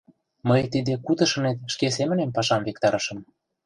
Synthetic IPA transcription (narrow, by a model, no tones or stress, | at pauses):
məjt̪id̪ekut̪ɤ̆ʃɤ̆net̪ʃkes̬emə̆nempɑʃɑmvek̚t̪ɑɾɤʃɤ̆m